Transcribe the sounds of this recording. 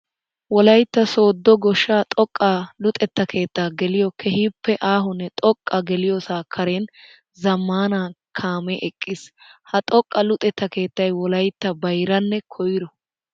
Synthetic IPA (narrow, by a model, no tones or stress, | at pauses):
wɔlɐjt̪ːɐso̞ːd̪ːɔɡɔʃːaːt̪ʼɔkʼːalʊt̪ʼɛt̪ːɐkʰe̞ːt̪ːaːɡɛlɪjɔkʰɛhiːpːɛʔaːɦʊnːɛt̪ʼɔkʼːɐɡɛlɪjoːsaːkʰɐɾeːn | zɐmːaːnaːkʰaːmɛʔɛkʼːɪshɐt̪ʼɔkʼːɐlʊt̪ʼɛt̪ːɐke̞ːt̪ːɐjwɔlɐjt̪ːɐbɐjɾɐnːɛkʰɔjɪɾɔ